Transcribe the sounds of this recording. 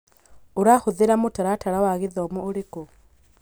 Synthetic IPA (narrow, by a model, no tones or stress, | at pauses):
oɾaxoðeɾamotaɾataɾawaɣeðɔmuoɾeko